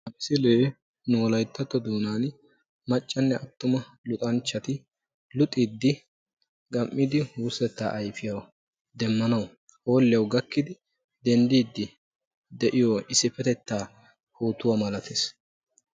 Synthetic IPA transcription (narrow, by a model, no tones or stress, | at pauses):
ɐbɪsɪleː | nʊɔlɐjt̪ːɐt̪ːɔd̪uːnaːn | mɐt͡ʃʼːɐnːɛɐt̪ːʊmɐ | lʊt̪ʼɐnt͡ʃːɐt̪ɪ | lʊt̪ʼid̪ːɪ | ɡɐmːɪd̪ɪhusɛt̪ːa̰ːʔɐjfɪjɐw | d̪ɛmːɐnɐwʊ | hoːlːɪjɐwɡɐkːɪd̪ɪ | d̪ɛnd̪iːd̪ːɪ | d̪ɛʔɪjɔɪsɪfɛt̪ɛt̪ːaː | huːt̪ːʊwamɐlɐt̪ʰeːs